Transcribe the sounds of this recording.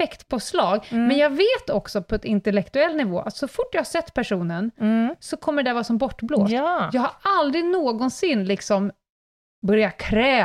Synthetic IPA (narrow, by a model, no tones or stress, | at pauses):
ɛkt̪pʰɔslɑːɡ̪mɛnjɑːɡveːt̪ɔksɔpʰɔɛt̪ɪnt̪ɛlɛkt̪ɵɛlːnɪvoːʔat̪sɔfʊʈːjahasɛt̪ːpʰæʂuːnənsɔkʰɔmːəɖɛvɑːsɔmbɔʈːblo̰ːsjɑːɡhaɾald̪ɾɪnoːɡɔnsɪnːlɪksɔm | bœɾjakʰɾɛː